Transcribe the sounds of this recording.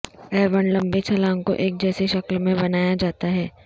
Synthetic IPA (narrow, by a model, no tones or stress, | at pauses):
ɛːɾʋənlɐ̃mbet͡ʃʰɐlãːŋko̰ʔeːk̚d͡ʒɛːseʃɐklmẽbɐnaːjad͡ʒaːt̪aɦɛː